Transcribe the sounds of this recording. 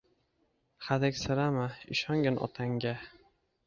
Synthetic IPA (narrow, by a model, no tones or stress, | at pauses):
χaðakʲsɪɾamaɪʃɒŋɡʲanʔɒ̰t̪ʰaŋɡʲa